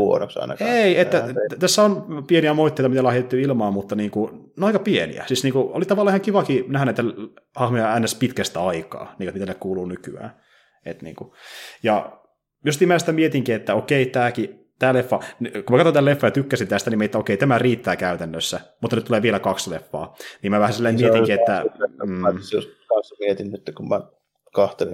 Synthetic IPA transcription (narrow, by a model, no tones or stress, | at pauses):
uo̰no̰ksɑ̰inɑ̰keiet̪ːæt̪æsːæonpieniæmoit̪ːeit̪ɑmit̪ælæhet̪et̪ːyilmɑːmmut̪ːɑniːŋkunoɑikɑpienḭæ̰sisniːŋkuo̰lit̪ɑʋɑlːɑihɑŋkiʋɑkinæhænæit̪ːælhɑhmojɑænːespit̪kæst̪æɑikɑ̰ːniːkot̪mit̪ælːekkuːluːnykyæ̰ː | ḛt̪nḭːŋkujɑ̰ | jost̪iːmæːsi̥t̪æmiet̪iŋkiet̪ːæokeit̪æːki | t̪æːlefːɑnkumækɑt̪onælefːɑːjɑt̪ykːæsint̪æst̪ænimeiet̪ːæokeit̪æmæriːt̪ːæːkæyt̪ænːøsːæmut̪ːɑnyt̪ːuleːʋielækɑkslefːɑ̰ːniːmæʋæhæsilːæimmiet̪iŋkiet̪ːæ | oskɑnsːɑmiet̪innyt̪ːekummæ | kɑht̪elḭ